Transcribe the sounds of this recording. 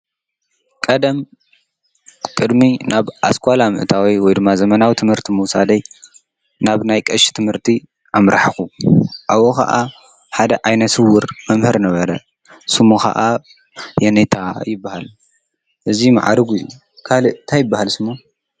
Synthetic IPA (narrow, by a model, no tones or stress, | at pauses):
kʼɐd̪ɐm | kʼɨd̪minaβʔa̰skʰʷʼalamɨ̰ʔɨt̪ʰawiwɔjd̪ɨmːazɐmɐnawit̪ʰɨmhɨɾt̪ʰimɨwsad̪ɐj | naβnajkʼɐʃt̪ʰɨmhɨɾt̪ʰi | ʔamɾa̰ħɨxuʔawokʰa̰ʔa | ħad̪ɐʔajnɐsɨwʊɾmɐmhɨɾnɐβɐɾɐ | sɨmoxa̰ʔa | jɛnet̪ʰajɪbːahal | ʔɨzima̰ʕa̰ɾɐɡuju | kʰalɨnt̪ʰajɪbːahalsɨmːo